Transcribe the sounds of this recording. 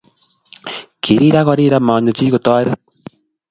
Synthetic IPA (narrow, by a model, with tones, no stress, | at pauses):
kʰi˨ɾi˦ɾa˦ɣɔ˨˦ɾi˦ɾa˦ma˨ɲo˨t͡ʃi˦ɣo˨t̪ɔ˦ɾe˦